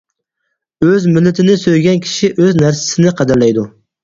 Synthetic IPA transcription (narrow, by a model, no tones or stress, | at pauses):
øzmɪlːɪt̪ʰɪnɪsøjɡʲɛnkʲʰi̥ʃiʔøznæɾsɪ̥sɪnɪqʰɑd̪æɾlɛjd̪u